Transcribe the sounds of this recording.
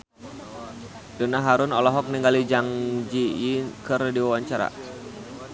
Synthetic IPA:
d̥onaɦaɾʊnɔlɔɦɔk̚niŋɡalid͡ʒaŋd͡ʒijikərdiwawaɲt͡ʃaɾa̰

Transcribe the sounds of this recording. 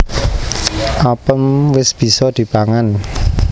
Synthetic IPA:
ʔapənwɪsb̥i̤sɔd̪̥i̤paŋan

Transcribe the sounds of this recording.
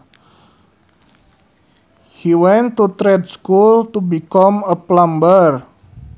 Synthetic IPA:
hiwɛnt̪ːut̪ɾɛdskult̪ubikɔməplambər

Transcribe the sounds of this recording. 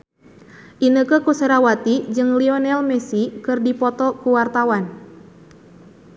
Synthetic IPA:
ʔinəkəkuseɾawat̪id͡ʒɨŋliɔnɛlmɛsikɨrdipɔt̪ɔkuwart̪awan

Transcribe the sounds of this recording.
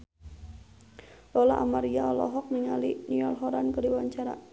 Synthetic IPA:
lɔla̰ʔamaɾiaɔlɔ̰ɦɔk̚niŋaliniɔlɦɔɾankədiwaɲt͡ʃaɾa̰

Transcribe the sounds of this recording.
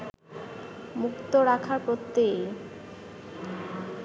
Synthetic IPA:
mukt̪oɾakʰaɾpɾot̪ːe

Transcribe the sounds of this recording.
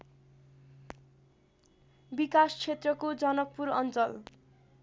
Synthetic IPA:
bikast͡sʰet̪rʌkod͡zʌnʌk̚puɾʌnt͡sʌl

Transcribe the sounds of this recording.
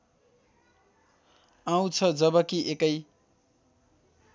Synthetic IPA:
aw̃t͡sʰʌd͡zʌbʌkiʔekʌj

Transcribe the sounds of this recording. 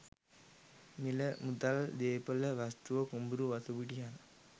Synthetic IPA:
miləmud̪ald̪eːpələʋast̪uʋəkumbuɾuʋɐsuʋiʈian

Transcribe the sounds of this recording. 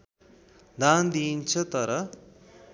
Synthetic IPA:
d̪ʱand̪int͡sʰʌt̪ʌɾʌ

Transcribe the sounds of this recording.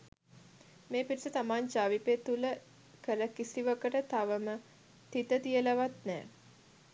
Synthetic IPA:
meːpiɾisət̪amaːɲt͡ʃaːʋipeːt̪ulə | kələkisiʋəkəʈət̪aʋəmə | t̪it̪ət̪ijələʋat̪nɛ̰ː

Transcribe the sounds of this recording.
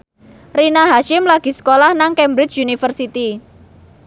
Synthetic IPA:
rinaɦaʃɪmlaɡ̥i̤sə̥kolahnaŋkɛmbɾɪt͡ʃunifərsit̪i

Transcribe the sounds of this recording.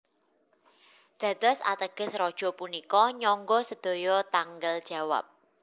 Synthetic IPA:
d̪̥ä̤d̪̥ɔ̤sa̰t̪əɡ̥ə̤srɔd̥ʒ̥ɔ̤punikɔɲɔŋɡɔsəd̪̥o̤jɔt̪aŋɡəld̥ʒ̥a̤wa̰p̚

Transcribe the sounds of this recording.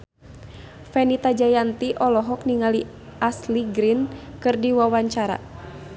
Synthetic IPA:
fɛnit̪ad͡ʒajant̪iʔɔlɔɦɔk̚niŋali | ʔasliɡɾinkɨrdiwawaɲt͡ʃaɾa̰

